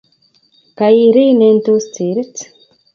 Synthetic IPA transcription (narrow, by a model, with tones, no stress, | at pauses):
ka˨i˧ɾiː˦ne˧nt̪u˦st͡siː˨ɾi˦t͡s